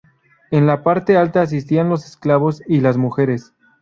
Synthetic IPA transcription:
e̞nlapaɾt̪e̞alt̪aːs̬ist̪ianlo̞sesklaβo̞silazmuxe̞ɾe̞s

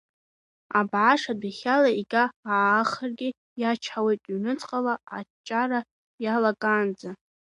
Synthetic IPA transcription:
abʕaʂadʷiχʲalaiɡʲʼaːχərɡʲɪ | jat͡ʃʰħawejtʼɥnɨt͡sʼqʼalaa̰t͡ʃʼara | jalakʼand͡za

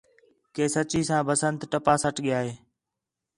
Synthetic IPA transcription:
keːsət͡ʃiːsãːbəsənt̪ʈəpaːsəʈʰɠɪjaːɦeː

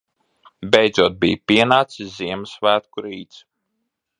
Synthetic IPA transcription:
bʲɛjd̪zuɔt̪̚bḭjpʲiɛnaːt̪siziɛmɨsvæːt̪̚kuɾiːt̪s

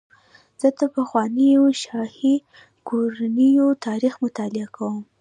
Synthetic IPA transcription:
z̥ət̪əpaxwɑnijoʃɑhi | koɾanijot̪ʰɑɾixmʊt̪ɑlɪakʰawəm

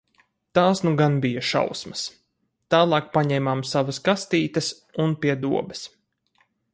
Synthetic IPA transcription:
t̪aːsnuɡanbijɐʃa̰wsmɐs | t̪aːlˠɑːk̚paɲɛmaːmsavɐskast̪iːt̪əs | unpʲiɛd̪uɔbɛ̥s

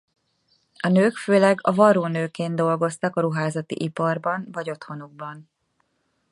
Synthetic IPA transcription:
ɒnøːkføːlɛɡɒvɒɾoːnøːkeːnd̪o̞lɡo̞st̪ɒkɒɾuɦaːzɒt̪ḭʔipɒrbɒnvɒɟo̞t̪ho̞nuɡ̚bɒn

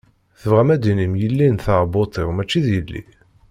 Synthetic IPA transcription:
θəvʁæmæd̪inimjəlːinθɑɾbot̪ˤiʁmæt͡ʃːiðjəlːḭ

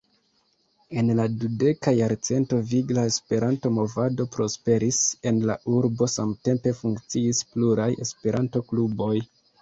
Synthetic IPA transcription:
e̞nladude̞kajaɾt͡se̞nto̞viɡlaespe̞ɾʔanto̞mo̞vado̞pɾo̞spe̞ɾise̞nlaʔuɾbo̞samte̞mpe̞fuŋkt͡siispluɾaje̞spe̞ɾʔanto̞klubo̞j

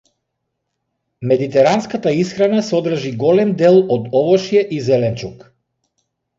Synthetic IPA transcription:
mɛd̪it̪ɛɾanskat̪aisxɾanasɔd̪ɾ̩ʒiɡɔlɛmd̪ɛlˠɔd̪ɔvɔʃijɛʔizɛlɛnt͡ʃuk

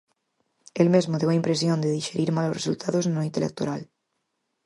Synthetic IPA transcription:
elmezmoðewaimpɾe̞s̬jõnd̪eðiʃe̞ɾiɾmaloresult̪ʰaðoznoint̪elek̚t̪o̰ɾal

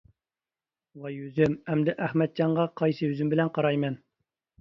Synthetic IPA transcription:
wɑjøzymɛmd̪ɪʔæhmɛt̪̚d͡ʒɑɴʁɑqʰɑjsɨjøzymbɪlɛnqʰɑɾɑjmɛn

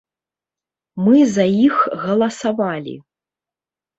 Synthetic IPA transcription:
mɨzɐjixɣɐlˠɐsavalʲḭ

